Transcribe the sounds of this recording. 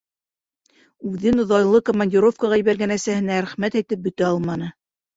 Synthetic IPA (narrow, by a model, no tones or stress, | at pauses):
ʉðɘnŏðɑjlˠɤkŏmanʲdʲiɾo̞fkaʁɑjɘ̆βæɾɡænæsæhɘ̆næɾæχmæt̪æjt̪ɘp̚bɵ̆t̪æɑlˠmɑnɤ